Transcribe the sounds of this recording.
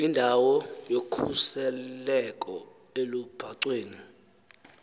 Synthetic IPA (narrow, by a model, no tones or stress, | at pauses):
indʱawɔjokʰusɛlɛkʼɔ | elub̥ʱaǀweːni